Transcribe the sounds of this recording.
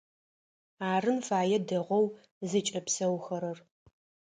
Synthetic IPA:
aːrɨnfaːjɛdɐʁʷɔw | zɨt͡ʃʼɐpsɐwxɐɾɐr

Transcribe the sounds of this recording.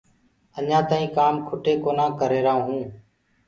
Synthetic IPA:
əɲãːt̪aːĩːkaːmkʰʊʈeːkoːnãːkəɾeːɾaːɦũː

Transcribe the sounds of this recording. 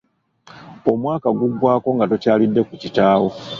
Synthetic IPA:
o̞mwaːkaɡuɡwaːko̞ŋɡatocaːlidːe̞kucitaːwo̞

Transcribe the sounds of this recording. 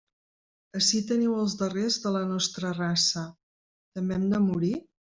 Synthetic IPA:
əʃit̪əniwəlˠzðərezðələnɔst̪ɾərasə | t̪əmbeeɛmd̪əmuɾi

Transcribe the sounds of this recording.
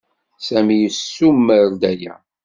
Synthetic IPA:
sæmijəsːumːəɾd̪æjæ̰

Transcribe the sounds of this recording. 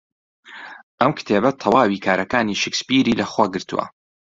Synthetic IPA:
ʔɐmkʰt̪ʰeːbɐt̪ʰɐwaːwiːkʰaːɾʔɐkaːniːʃekspiːɾiːlɐxwaːɡɨɾt̪uwʔɐ̰

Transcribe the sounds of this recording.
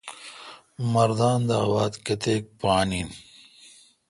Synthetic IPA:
mɐɾd̪aːnd̪aːbaːd̪kɐt̪eːk̚paːniːn

